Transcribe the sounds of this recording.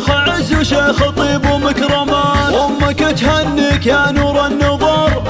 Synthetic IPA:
xaʕɪzuʃeːxɑt̪ˤiːbumɪkɾˤɑmaːnʔʊmːakɪt̪hanːikanuɾˤɑnːɑðˤɑɾˤ

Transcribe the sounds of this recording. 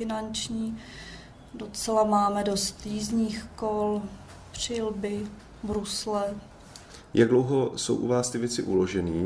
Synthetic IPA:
ɪnant͡ʃɲiː | dot͡sɛlamaːmɛdo̞st̪jiːzɲiːxkol | pr̝̥ɪlbɪ | bɾuslɛ | jaɡ̚dlowɦoso̰wʔṵvaːst̪ɪvjɛt͡sɪʔuloʒɛniː

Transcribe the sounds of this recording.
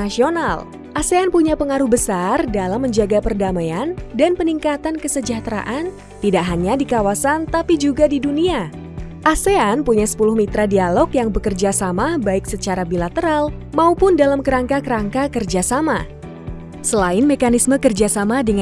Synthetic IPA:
sional | ʔaseanpuɲapəŋaɾʊhbəsardalamːəɲd͡ʒaɡapərdamajandanpəniŋkat̪ankəsəd͡ʒaht̪ɾa̰ʔan | t̪idaʔɦaɲadikawasant̪apid͡ʒuɡadidunia | ʔaseanpuɲasə̥pulʊhmit̪ɾadialɔkjaŋbəkərd͡ʒasamabaɪk̚sət͡ʃaɾabilat̪əɾalmaupʊndalamkəɾaŋkakəɾaŋkakərd͡ʒasama̰ | səlaɪnmekanisməkərd͡ʒasamadəŋ

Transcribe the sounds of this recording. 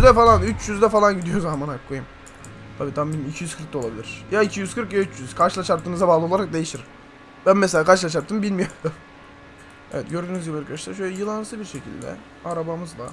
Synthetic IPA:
zd̪ɛfalˠanyt͡ʃjyzd̪ɛfalˠanɟid̪ijozamanakʰːojɯm | t̪ʰabiːt̪ʰambilʲmicʰijyz̥kʰɯɾkt̪o̞lˠabilʲiɾ̥jaicʰijyzkɯɾkjayt͡ʃjyzkʰaɾʃɯlˠaʃaɾt̪ʰɯːnɯzabaːlˠɯo̞lˠaɾak̚d̪e̞jiʃt̪iɾ | b̥ænmɛselʲaːkʰaɾʃɯlˠaʃ̬aɾt̪ɯmbilʲmijoɾd̪um | ɛvɛt̪̚ɟø̞ɾd̪yːnyzjilˠaɾkʰad̪aʃt̪ˠaɾʃ̬ølʲɛjɯlˠansɯbiɾʃecʰḭlʲd̪ɛ̰ | aɾabamɯzlˠa̰

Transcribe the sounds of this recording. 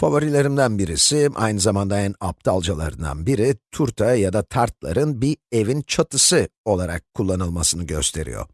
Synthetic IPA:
favoɾilʲe̞ɾimd̪ænbiɾisiʔa̰jnɯzamand̪aænap̚t̪ʰalˠd͡ʒalˠa̰ɾɯ̰nd̪a̰nbiɾit̪ʰuɾt̪ʰajad̪at̪ʰaɾt̪̚lˠa̰ɾɯnbie̞vint͡ʃʰat̪ɯsɯo̞lˠaɾa̰kʰːulˠːanɯlˠmasɯnɯɟø̞̰st̪ʰe̞ɾḭjo̞̰

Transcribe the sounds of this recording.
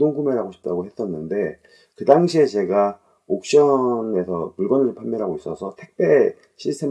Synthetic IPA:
doŋɡumeɾaɡoɕʰi̥p̚t͈aɡohe̞s͈ʌnːɯnde̞ | kɯdaŋɕʰie̞t͡ɕe̞ɡa | ok̚ɕ͈ʌne̞sʰʌpuɭɡʌnɯɾpʰamːjʌɾɦaɡois͈ʌsʰʌtʰe̞k̚p͈e̞ | ɕʰitʰem

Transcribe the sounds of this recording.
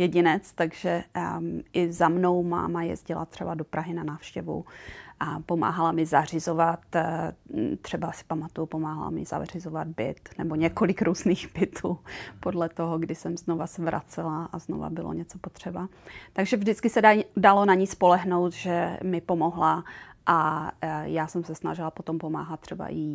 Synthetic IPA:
jɛɟɪnɛt͡st̪aɡʒɛ | ʔɪzamno̞wma̰ːmajɛ̰zɟɪlʔa̰t̪r̝̥ɛbadopɾʔaɦɪnanaːfʃcɛvṵʔapo̞ma̰ːɦalamɪzar̝ɪzovat̪ | t̪r̥ɛbasɪ̥pamat̪ujupomaːɦa̰la̰mɪ̰z̥a̰rɪzovad̪̚bɪ̰t̪nɛbo̞ɲɛkolɪkɾʔuːzniːxbɪt̪ʰuːpodlɛt̪oɦoɡdɪsɛmzno̞vasɛvɾʔa̰t͡sɛlaʔazno̰va̰bɪlo̰ɲɛt͡so̞po̞t̪r̝̥ɛbat̪aɡʒɛvʒdɪt͡skɪsɛdalo̞naɲɪspo̞lɛɦno̞wt̪ʒ̥ɛmɪpo̞mo̞ɦlaʔa | jaːsɛmsɛsnaʒɪlapot̪ompo̞ma̰ːɦat̪̚t̪ːr̝ɛba̰ʔɪ

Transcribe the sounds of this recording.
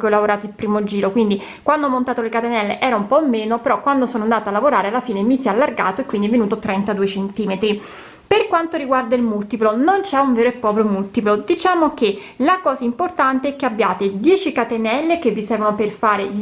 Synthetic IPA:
keɔlavoɾaːt̪oilpɾiːmod͡ʒiːɾokwind̪i | kwand̪oɔmːont̪aːt̪olekat̪enɛlːeʔɛːɾaumpɔmːeːnopeɾɔkːwand̪osoːnoand̪aːt̪alːavoɾaːɾealːafiːnemisɛalːarɡa̰ːt̪oekːwind̪iɛvːenuːt̪ot̪ɾɛnt̪ad̪uːet͡ʃent̪iːmet̪ɾi | perkwant̪oɾiɡward̪ailmult̪iplonont͡ʃɛuɱveːɾoepːɾɔːpɾjomult̪iplod̪it͡ʃaːmoke | lakɔːzaimport̪ant̪eɛk̟ːeabːjaːt̪ed̪jɛːt͡ʃikat̪enɛlːekevːisɛrvonoperfaːɾe

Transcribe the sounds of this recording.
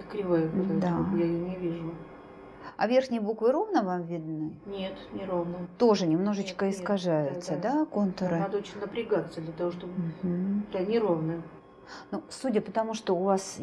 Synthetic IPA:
kɾʲɪvajəbɨlad̪aojaɪnʲɪvʲiʐʊ | ɐ̰vʲe̞rxnʲɪjəbukvɨɾo̞vnəvamvʲɪd̪nɨnʲe̞t̪nʲɪɾovnət̪o̞ʐɨnʲɪmno̞ʐɨt͡ɕkəɪskɐʐajʊt̪səd̪akont̪əɾɨnad̪əot͡ɕɪnʲnəpɾʲɪɡat̪səd̪lʲɐt̪ɐvoʂt̪obm̩ɦm̩d̪anʲɪɾovnɨj | nusudʲəpət̪ɐmuʂt̪oʊvas

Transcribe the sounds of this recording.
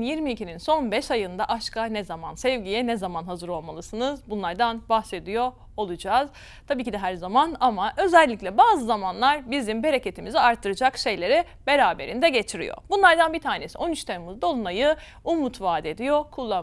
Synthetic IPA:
njiɾmiːcʰininso̞nbɛʃajɯnd̪aʔaʃkʰanɛzamansɛvɟijɛnɛzamanɦazɯɾo̞lˠmalˠɯsɯnɯzbunlˠaɾd̪anbahse̞d̪ijo̞ | olˠud͡ʒaːz | t̪ʰabiːcid̪ɛɦæɾzamanamaʔø̞zɛlʲːicʲlʲɛbaːzɯzamanlˠaɾbizimbe̞ɾecʰe̞t̪ʰimiziaɾt̪ʰːɯɾɯd͡ʒakʃe̞jlʲe̞ɾi | be̞ɾaːbe̞ɾind̪ɛɟe̞t͡ʃʰiɾḭjo̰bunlˠaɾd̪anbit̪ʰaːne̞siʔo̞nyt͡ʃt̪ʰenimɯzd̪o̞lˠunajɯ | umut̪ʰvaːd̪e̞d̪ijokʰulˠːa

